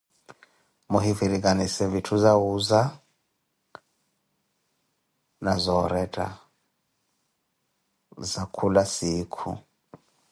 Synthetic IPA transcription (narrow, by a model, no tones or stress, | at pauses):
muɦiviɾik̬ʼanisɛvitʰuzawuza | nazɔɾɛdʼa̰ | zakʰulasiːkʰṵ